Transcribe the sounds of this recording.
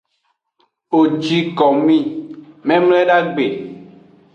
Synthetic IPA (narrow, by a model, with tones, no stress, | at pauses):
o˨d͡ʒi˨kɔ˨mĩ˦mɛ̃˦mlɛ˦ɖa˦ɡ͡be˨